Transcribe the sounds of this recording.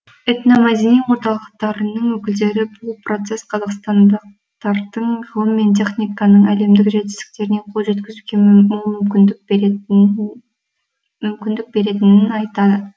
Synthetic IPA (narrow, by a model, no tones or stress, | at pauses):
et̪nɑmɑd̪ʲiniwoɾt̪ɑlˠəq̚t̪ɑɾənəɴwɵkʲɪld̪e̞ɾɪbʊlˠpro̞t̪se̞sqʰɑzɑqst̪ɑnd̪əq̚ | t̪ɑɾd̪əɴʁəlˠəmːe̞nt̪̬ʲʰe̞χnʲijkɑnəɴæle̞md̪ɪkʒet̪ɪ̥st̪ɪ̥k̚t̪e̞ɾɪne̞qʰolˠʒe̞t̪kʲɪzuɡʲeʏ | mʏmkʲɪnd̪ɪk̚be̞ɾe̞t̪ɪnɪnɑjt̪ɑd̪ə